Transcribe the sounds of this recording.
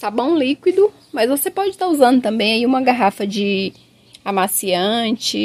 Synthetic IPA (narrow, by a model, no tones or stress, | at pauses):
t̪abõw̃likwid̪ʊ | mɐzvosepɔd͡ʒɪt̪auzɐ̃nd̪ʊt̪ɐ̃mbẽj̃aiũmɐɡaɦafɐd͡ʒɪ | amasiɐ̃t͡ʃɪ